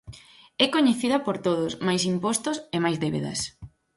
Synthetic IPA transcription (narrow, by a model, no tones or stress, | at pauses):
ɛkoɲeθiðɐpoɾt̪oðʊsmajsimpost̪ʊsemajzðeβḛðɐ̰s